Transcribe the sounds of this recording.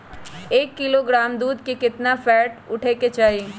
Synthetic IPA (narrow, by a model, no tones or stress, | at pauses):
eːkːɪloɡɾaːmd̪uːd̪kekɪt̪nafɛːʈʊʈʰeket͡ʃaːi